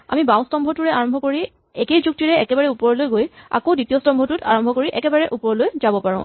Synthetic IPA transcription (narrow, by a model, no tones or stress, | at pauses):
a̰mibaʊ̃stɔmbʱɔtuɹɛaɹɔmbʱɔkoɹi | ɛkejzuk̚tiɹɛɛkɛbaɹɛupɔɹɔlojɡoja̰koditiɔstɔmbʱɔtʊtʰa̰ɹɔmbʱɔkoɹiʔɛkɛbaɹɛʔupɔɹɔlojzabɔpaɹʊ̃